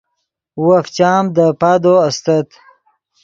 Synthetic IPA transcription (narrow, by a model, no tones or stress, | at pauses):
waft͡ɕaːmd̪əpaːd̪oast̪at̪